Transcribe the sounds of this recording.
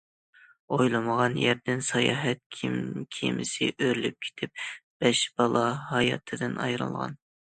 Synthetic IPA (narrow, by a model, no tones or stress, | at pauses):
ojlˠɨməʁɑnjæɾd̪ɪnsɑjɑ̰ːɦɛt̪̚kʲʰimkʲʰimɪsɪ̰ʔøɾlyp̚kʲʰe̥t̪ʰɪp̚b̥ɛʃb̥ɑlˠɑɦɑjɑ̰t̪ʰɨd̪ɨnɑjɾɨ̰lˠʁɑ̰n